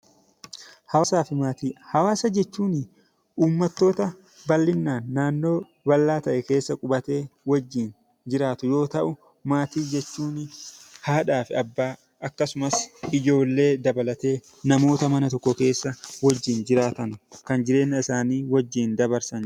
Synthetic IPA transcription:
hɐsaːfɪmaːt̪iːhɐwaːsɐd͡ʒɛt͡ʃːuːnɪ | ʔuːmːɐt̪ːo̞ːt̪ɐ | bɐlːɪnːaːnːaːnːo̞ː | bɐlːaːt̪ɐʔɛke̞ːsːɐkʼʊbɐt̪e̞ːwɐd͡ʒːiːn | d͡ʒɪɾaːt̪ʊjo̞ːt̪ɐʔʊ | maːt̪iːd͡ʒɛt͡ʃːuːnhaːᶑaːfɪɐbːaː | ʔɐkːɐsʊmɐsɪd͡ʒo̞ːlːe̞ːd̪ɐbɐlɐt̪e̞ː | nɐmo̞ːt̪ɐmɐnɐt̪ɔkːɔke̞ːsːɐwɐd͡ʒːɪnd͡ʒɪɾaːt̪ɐnkɐnd͡ʒɪɾe̞ːnːɐɪsaːniːwɐd͡ʒːiːnd̪ɐbɐɾsɐn

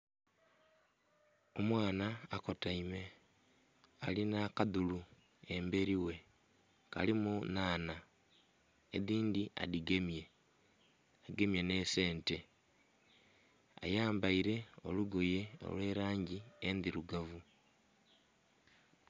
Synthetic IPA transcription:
o̞mwaːnaːko̞taime̞ | alinakaðulu | e̞mbe̞ɾiwe̞ | ka̰limunaːna | eðiːndiʔa̰diɡe̞mje̞ | aɡe̞mje̞ne̞se̞ːnte̞ | a̰jaːmbaiɾe̞o̞̰luɡoje̞o̞̰lwe̞ːɾaːɲɟiendiɾuɡavu

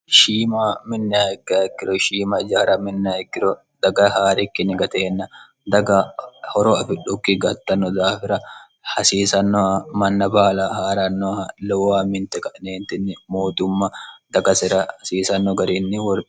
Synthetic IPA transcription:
ʃiːmamɪnːɪaːɪɡaːɡːɪɾɔʃiːmɐd͡ʒaːɾɐmɪnːɪaːɪɡːɪɾɔ | d̪̥ɐɡɐhaːɾɪkːɪnɪɡɐt̪eːnːɐ | d̪ɐɡɐhɔɾɔɐfɪᶑʊkːɪɡɐt̪ːɐnːɔd̪aːfɪɾɐ | hɐsiːsɐnːɔɐmɐnːɐbaːlɐhaːɾɐnːɔɐlɔwaːmɪnt̪ɛkʼɐᶑneːnt̪ɪnːɪmoːt̪ʊmːɐd̪̥ɐɡɐsɪɾɐhɐsiːsɐnːɔɡɐɾinːɪwɔɾ

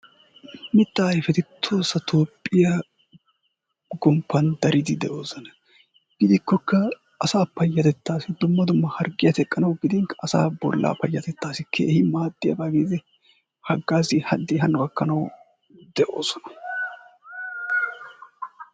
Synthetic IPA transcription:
mɪt̪ːaːjfɛt̪ɪt̪ʰːoːsɐt̪ʰoːpʼːɪja | ɡɔmpʰːɐnd̪ɐɾɪd̪ɪd̪ɛʔo̞ːsɐnɐ | ɡ̥ɪd̪ɪkːɔkːɐ | ʔːsaːpɐjːɐt̪ɛt̪ːaːsɪd̪ʊmːɐd̪ʊmːɐhɐɾɡɪjɐt̪ɛkʼːɐnɐwɡɪd̪ɪŋkɐ̥ʔːsa̰ːbɔ̰lːa̰ːpɐjːɐt̪ɛt̪ːaːsɪkʰe̞̰ːhɪmaːd̪ːɪjɐ̰baːɡeːzɪ | hɐɡːaːsɪhɐd̪ːɪɦɐnːʊɡɐkːɐnɐw | d̪ɛʔo̞ːsɔnɐ̥

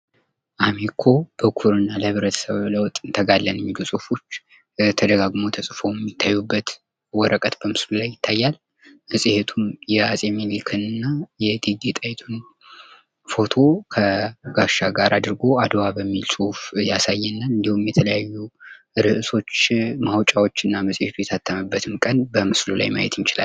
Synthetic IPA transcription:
ʔamekʰo̞b̥əkʰuɾɨnːaləhɨβɾət̪ʰə̥səβləwt̪ʼɨnt̪ʰəɡalːənəmːilusʼuhfot͡ʃː | t̪ʰəd̪əɡaɡmo̞t̪ʰəsʼfo̞wjɛmːit̪ʰːajːubːət̪ | wɔɾəkʼət̪bəmɨslulajːɪt̪ʰːajːal | hɨsʼɨhe̞t̪ʰumjɛasʼemelikʰɨnɨnːajɛd̪iɡ̪et̪ʼajt̪ʰun | fo̞t̪ʰo̞kʰəɡaʃaɡaɾʔad̪ɾɨɡo̞ad̪wabəmːilsʼuhfjasajːɛnːaɨnd̪ihumjɛt̪ʰələjajːu | ɾɨʔɨso̞t͡ʃːmahwt͡ʃʼawo̞t͡ʃːɨnːaməsʼhet̪ʰujɛt̪ʰat̪ʰːəmɨbːət̪ʰɨmkʼənbəmɨslula̰jma̰jɛ̰t̪jt͡ʃɪla̰l

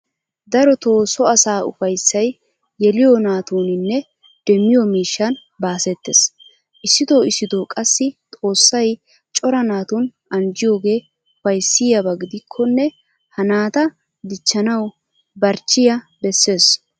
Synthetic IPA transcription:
d̪ɐɾɔt̪o̞ːsɔɐsaːʊ̰fɐjsːɐj | jɛlɪjɔnaːt̪uːnɪnːɛ | d̪̥ɛmːɪjɔmiːʃːɐn | baːsɛt̪ːeːs | ʔɪsːɪd̪o̞ːɪsːɪd̪oːkʼɐsːɪt̪ʼo̞ːsːɐj | t͡ʃʼɔɾɐnaːt̪uːn | ɐnd͡ʒɪjo̞ːɡe̞ː | ʊfɐjsːɪjɐbɐɡɪd̪ɪkʰːɔnːɛ | hɐnaːt̪ɐ | d̪ɪt͡ʃːɐnɐw | bɐɾt͡ʃːɪjɐ | bɛsːe̞ːs

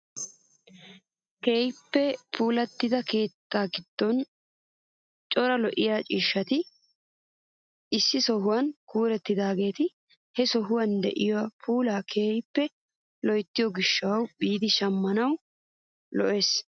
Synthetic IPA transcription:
ke̞ːjpːɛpʰuːlɐt̪ːɪd̪ɐke̞ːt̪ːaːɡɪd̪̥ːɔn | t͡ʃʼɔɾɐlɔʔɪjaːt͡ʃʼiːʃːɐt̪ɪ | ɪsːɪsɔɦʊwɐnkuːɾɛt̪ːɪd̪aːɡe̞ːt̪ɪ | hɛsɔɦʊwɐnd̪ɛ̰ʔɪjɔwapʰuːlaːkʰeːjpːɛ | lɔjt̪ːɪjɔɡɪʃːɐwwbiːd̪ɪʃɐmːɐnɐw | lɔʔe̞ːs

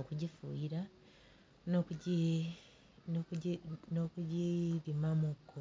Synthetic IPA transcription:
okuɟifṵjiɾa | nokuɟi | ninokuɟiβimamuɡo

